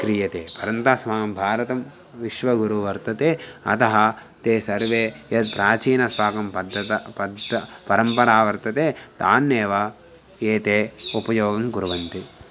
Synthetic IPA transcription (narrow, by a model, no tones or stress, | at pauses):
kɾijɐt̪eːpɐɾɐnt̪aːsʋaːɡɐmbʱaːɾɐt̪ɐm | ʋiʃʋɐɡuɾuʋɐɾt̪ɐt̪eːɐ̰t̪ɐɦɐ | t̪eːsɐɾʋeːjɐd̪̚pɾaːt͡ʃiːnɐspaːkɐmpɐd̪ːɐt̪ɐpɐd̪ɐpɐɾɐmpɐɾaːʋɐɾt̪ɐt̪eːt̪aːnːeːʋɐ | eːt̪eːupɐjoːɡɐmɡuɾʋɐnt̪i